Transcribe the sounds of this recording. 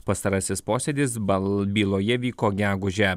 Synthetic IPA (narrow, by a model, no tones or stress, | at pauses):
pɐst̪ɐɾɐsʲɪspoːsʲed̪ʲɪsbʲiːlˠoːjɛʋʲiːkoːɡʲæːɡʊʒʲɛ